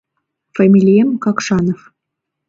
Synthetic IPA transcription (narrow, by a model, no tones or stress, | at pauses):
fɑmʲilʲijemkɑkʃɑnof